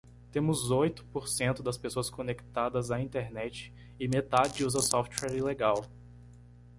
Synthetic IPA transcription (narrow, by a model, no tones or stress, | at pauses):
t̪ẽmʊzojt̪ʊ̥poɾsẽnt̪ʊd̪ɐspesoɐskõnekt̪ad̪ɐzaĩt̪eɾnɛt͡ʃɪ̥ | ɪmet̪ad͡ʒɪuzɐsɔft͡ʃwɛɾileɡaw